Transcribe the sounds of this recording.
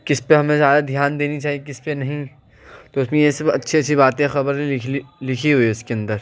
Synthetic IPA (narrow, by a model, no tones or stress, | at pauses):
kɪspeɦɐmẽzjaːd̪ad̪ʱjaːnd̪eːnit͡ʃaːɦijek̬ɪspenɐɦĩ | t̪oʊsmẽjesbɐ̰tːʃʰiɐtːʃʰibaːt̪ẽxɐbəɾɪlɪkʰiɦuiʊskeɐ̃nd̪əɾ